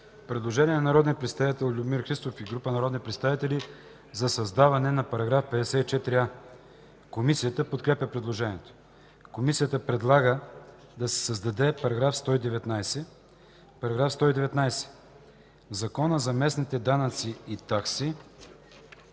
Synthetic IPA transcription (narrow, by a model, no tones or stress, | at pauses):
pɾɛd̪lˠoʒɛniɛnɐnɐɾɔd̪nijəpɾɛt̪st̪avit̪ɛlˠlʲubmiɾxɾist̪ofiɡɾupənɐɾɔd̪nipɾɛt̪st̪avit̪ɛli | zɐsɐzd̪avɐnɛnɐpɐɾɐɡɾafpɛd̪ɛsɛit͡ʃɛt̪ɾia | komisijət̪əpot̪kɾɛpʲjɐpɾɛd̪lˠoʒɛniɛt̪o̥ | komisijət̪əpɾɛd̪lˠaɡə | d̪ɐsɛ̥səzd̪ɐd̪ɛpɐɾɐɡɾafst̪ɔid̪ɛvɛt̪najsɛ | pɐɾɐɡɾafst̪ɔid̪ɛvɛt̪najsɛ̥ | zɐkɔnəzɐmɛsnit̪ɛd̪anɐt̪siːt̪aksi